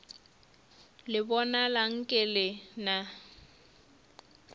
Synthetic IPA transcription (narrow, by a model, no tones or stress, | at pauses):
lɪbɔnalaŋ̩kʼɪlɪna